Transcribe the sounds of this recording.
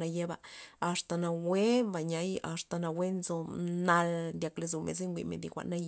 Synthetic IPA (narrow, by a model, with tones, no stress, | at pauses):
a˧je˦ba˧a˨st̪a˨na˨we˦mba˨ɲa˧˦ja̰˨st̪a˨na˧we˦nzo˧na˧ld̪ja˧kle˧zo˧mḛ˨z̬e˦ŋɡʷḭ˨mḛ˨nd̪ḭ˧kʷa̰˨ʔna˦j